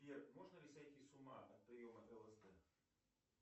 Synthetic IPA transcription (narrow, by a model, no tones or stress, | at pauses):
ɛrmɔʐnɐlʲisʲajt̪ʲisʊma̰ʔɐt̪̚pɾɨjɔmɐt̪ɐlˠɐzd̪ɛ